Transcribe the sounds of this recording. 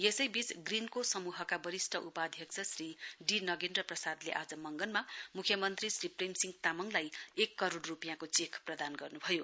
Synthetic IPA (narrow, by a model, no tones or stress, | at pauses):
jesʌjbit͡sɡrinkosʌmuɦʌkabʌɾisʈʰʌʔupaːd̪ʱjʌkt͡sʰʌsriɖinʌɡendrʌprʌsad̪leʔad͡zʌmʌŋɡʌnmamukʰjʌmʌnt̪risripremsiŋɡt̪amʌŋlajekːʌɾoɽrupjãkot͡sekʰprʌd̪anɡʌrnubʱʌjo